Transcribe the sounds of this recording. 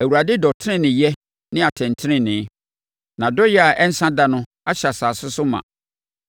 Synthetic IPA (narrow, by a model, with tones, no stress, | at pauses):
æ˨wu˨ɾa˨dɪ˦dɔ˨tʰɪ˦nɪ̃˦nɪ̃˨jɛ˦ | nɪ̃˦a˨tʰɛ̃˨ntʰɪ˦nɪ̃˦nɪ̃˨˦ | nã˨dɔ˦jɛ˦a˨ʔɛ˦n̩˦sã˦da˨nʊ̃˦ | a˦ɕa˨saː˨sʊ˦sʊ˦mã̰˨